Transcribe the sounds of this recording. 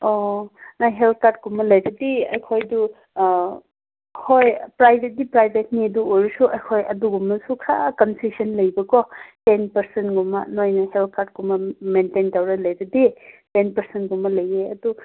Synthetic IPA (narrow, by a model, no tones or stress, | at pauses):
onaɦelt̪̚kaɾd̚ɡumɐlɐjɾɐdiɐjkʰojdu | hʰojpɾajbʱet̚dipɾajbʱet̚niɐduoɾusuʔɐjkʰojɐduɡumːɐsukʰɾakɐnsisɐnlɐjbɐkɔtenpɐɾsenɡumɐ̰nojnɐhelt̚kaɾd̚ɡumɐmententawɾɐlɐjɾɐditenpɐɾsentɡumːɐlɐjeɐdu